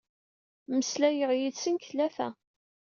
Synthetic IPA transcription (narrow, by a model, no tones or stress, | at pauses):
məslæjəʁjit͡sːənkθlæθæ̰